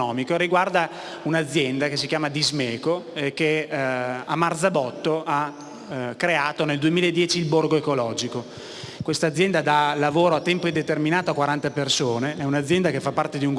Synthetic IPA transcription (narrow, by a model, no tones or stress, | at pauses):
ɔːmikoɾiɡward̪a | unad̪zːjɛnd̪akesːikjaːmad̪izmeːkoekːe | amːart̪zabɔt̪ːoa | kːɾeaːt̪oneld̪uemiːlaed̪ːjɛːt͡ʃiːlborɡoekolɔːd͡ʒiko | kwest̪ad̪zːjɛnd̪ad̪alːavoːɾoat̪ːɛmpoid̪et̪erminaːt̪oakwaɾant̪apersoːneɛunad̪zjɛnd̪akefːapːart̪ed̪iuŋ